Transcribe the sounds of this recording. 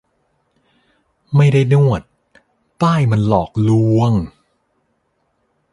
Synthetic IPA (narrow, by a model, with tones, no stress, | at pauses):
ma˥˩jda˥˩jnu˥˩ət̪̚ː | aː˥˩jma˧nlɔː˨˩k̚lu˧˥əŋ